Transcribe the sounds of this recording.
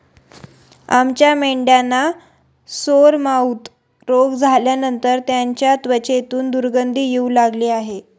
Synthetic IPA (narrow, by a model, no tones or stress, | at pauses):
a̰mt͡ɕjameɳɖjana | soɾmaut̪ | ɾoɡd͡zʱaljanənt̪əɾt̪jaɲt͡ɕjat̪ʋət͡ɕet̪uːnd̪uɾɡənd̪ʱiːjeulaɡliːaɦe